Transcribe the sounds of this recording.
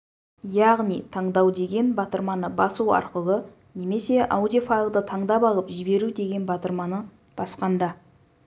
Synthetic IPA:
jɑʁnijt̪ʰɑɴd̪ɑwd̪e̞ɡʲe̞nbɑt̪əɾmɑnəbɑsuwɑ̰ɾqəlˠə | ne̞me̞se̞ʔɑ̰wd̪ijfalˠd̪ət̪ʰɑɴd̪ɑpɑlˠəpʒɪbe̞ɾud̪e̞ɡʲenbɑt̪əɾmɑnə | b̥ɑsqɑnd̪ɑ

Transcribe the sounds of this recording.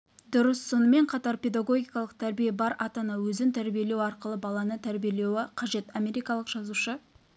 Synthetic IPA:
d̪ʊɾəsːo̞nəme̞ɴqʰɑt̪ɑɾpʲe̞d̪aɡo̞ɡʲijkɑlˠəq̚t̪ʰæɾbijebɑɾʔɑt̪ɑnɑwɵzɪŋt̪ʰæɾbije̞le̞wɑɾqəlˠəbɑlˠɑnət̪ʰæɾbijele̞wɪqʰɑʒe̞t̪ɑme̞ɾijkɑlˠəqʒ̥ɑzuʃə

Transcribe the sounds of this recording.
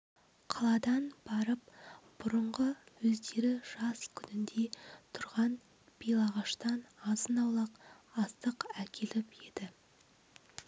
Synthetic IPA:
qʰɑlˠɑd̪ɑnb̥ɑɾəp̚b̥ʊɾəɴʁəwɵzd̪e̞ɾɪʒ̥ɑskʲʰʏnɪnd̪e̞t̪ʰʊɾʁɑn | b̥ijlˠɑʁɑʃt̪ɑnɑzənɑwlˠɑq | ɑst̪əqækʲʰe̞lɪpe̞d̪̥ɪ

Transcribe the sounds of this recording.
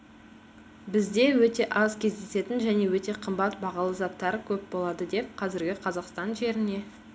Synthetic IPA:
bɪzd̪e̞wɵt̪e̞ʔɑzkʲʰe̞zd̪e̞se̞t̪ɪnʒæne̞wɵt̪e̞qʰəmbɑt̪bɑʁɑlˠəzɑp̚t̪ːɑɾəkʲʰɵp̚bo̞lˠɑd̪əd̪e̞p̚qʰɑzɪɾɡʲɪqʰɑzɑqst̪ɑnʒe̞ɾɪne̞

